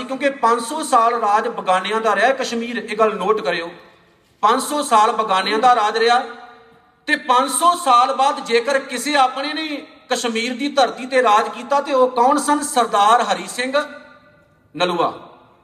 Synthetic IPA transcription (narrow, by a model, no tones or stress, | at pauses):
kjõːkepə̃ɲd͡ʒsɔːsaːlɾaːd͡ʒbəɡaːnejãːd̪aːɾɪaːɛkəʃmiːɾeːɡəlnoːʈkəɾeːoː | pə̃ɲd͡ʒsɔːsaːlbəɡaːnejãːd̪aːɾaːd͡ʒɾɪjaː | t̪eːpə̃ɲd͡ʒsɔːsaːlbaːd̪d͡ʒeːkəɾkɪseːaːpɽeːneː | kəʃmiːɾd̪iːt̪əɾt̪iːt̪eːɾaːd͡ʒkiːt̪aːt̪eːoːkɔʊnsənsəɾd̪aːɾɦəɾiːsɪ̃ŋɡ | nəluːa̰ː